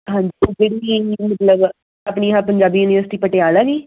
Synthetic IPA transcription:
ɦãːɲd͡ʒibeɽimət̪ləb | aːpniːapəɲd͡ʒaːbiːjuːniʋəɾsɪ̥ʈiːpəʈeaːlɛːɡiː

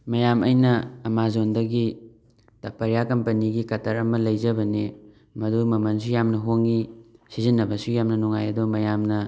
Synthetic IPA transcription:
mɐjamɐjnɐɐmazondɐɡi | tɐpɐɾjakɐmpɐniɡikɐtʰɐɾɐmɐlɐjzɐbɐne | mɐdumɐmɐns̬ujamnɐɦoŋisizinːɐbɐsujamnɐnuŋajɐdumɐjamnɐ

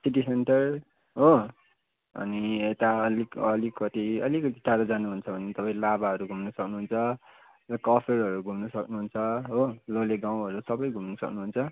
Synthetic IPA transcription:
siʈ̬isenʈʌr | ɦo | ʌ̰niet̪aʌlikʌlikʌt̪iʌlikʌt̪iʈʰaɾʌd͡zanuɦunt͡sʰʌbʱʌnet̪ʌpaĩlabaɦʌɾuɡʱumnʌsʌknuɦunt͡sʰʌ | rʌkʌpʰerɦʌɾuɡʱumnʌsʌknuɦunt͡sʰʌɦololeɡaw̃ɦʌɾusʌbʌjɡʱumnʌsʌ̰knuɦunt͡sʰʌ

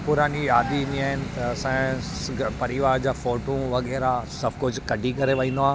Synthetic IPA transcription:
pʊɾaːnijaːd̪ĩnd̪iaːɦɪnɪ̆t̪ɐsã | pɐɾɪʋaːɾd͡ʑaːfoːʈũʋɐɣɛːɾasɐbʱkʊd͡ʑʱkɐɖʱikɐɾeʋɐ̃nd̪oaː

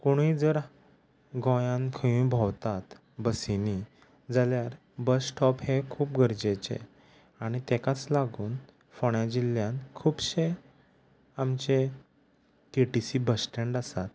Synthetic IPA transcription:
koɽ̃id͡zəɾ | ɡɔ̃jãnkʰəjũbʱɔwt̪at̪ | bəsini | d͡zaljaɾ | bəsʈʰɔphekʰuːpɡʱəɾd͡ʑet͡ɕḛ | aɽ̃it̪ekat͡slaɡuːn | fɔɳjãd͡ʑiljãnkʰuːbɕe | amt͡ɕe | keʈisibəsʈẽɳɖasat̪̚

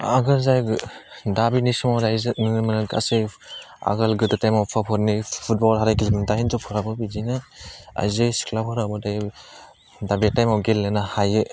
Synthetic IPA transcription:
a̰ɡɯlzajdabinisumawdajznɯmanaɡa̰se | a̰ɡalɡɯdɯtajmawpʰapʰɔɾnipʰut̚bɔlɦaɾajɡilmɯntahinzɔpʰɔɾabɯbizinɯa̰jzɯsi̥kʰlapʰɔɾabɯdaj | dabetajmawɡelːɯnahajɯ

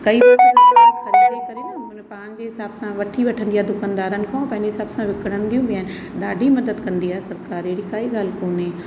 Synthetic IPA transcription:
kɐibɐzxɐɾid̪ekɐɾenpaːɽ̃d͡ʑeːɦɪsaːbsãʋɐʈʰiʋɐʈʰə̃nd̪ijaːd̪ʊkənd̪aːɾənɪ̆kʰãpɐ̃ɦɪ̃ɲd͡ʑeɦɪsaːbsãʋɪkɪɽ̤̃ə̃nɪ̆d̪ijũbɪjaːn | ɗaːɖʱimɐd̪əd̪kɐ̃nd̪iaːɦesɐɾkaːɾeɪɽikaːiɠaːlkoːne

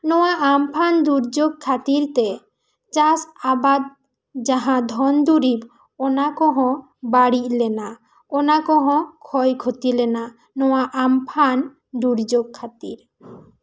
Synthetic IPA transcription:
nɔwaʔampʰand̪uɾd͡ʒoɡ̚kʰat̪iɾt̪ɛ | t͡ʃasabad̪̚ | d͡ʒaɦãd̪ʱɔnd̪uɾib | ɔnakɔɦɔ̃ | baɽic̚lɛna | ɔnakɔɦɔ̃kʰɔjkʰot̪ilɛna | nɔwaʔampʰan | d̪uɾd͡ʒoɡ̚kʰːat̪iɾ

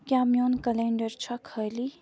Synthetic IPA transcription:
kʲaːmjonkɐleɳɖəɾt͡ʃʰɐkʰəli

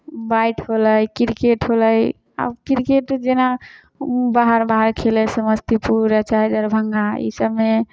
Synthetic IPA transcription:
bajʈʰɦoləjkiɾkeʈɦoləj | a̰bkiɾkeʈd͡ʒena | baɦəɾbaɦəɾkʰeləsəməst̪ipuɾət͡ʃad̪əɾbʱəŋɡaḭsəbme

